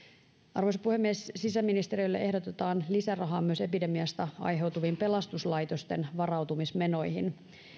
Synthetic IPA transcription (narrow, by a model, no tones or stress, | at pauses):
ʔɑ̰rʋo̞jsɑpuhemːiessisæmːinist̪e̞ɾiojlːḛʔe̞hdo̞t̪et̪ɑːnlisærɑɦɑːmyø̞se̞pide̞miɑst̪ɑɑ̰jɦe̞wt̪uʋiːmpe̞lɑst̪uslɑjt̪o̞st̪e̞nʋɑrɑwt̪umisme̞no̞jhin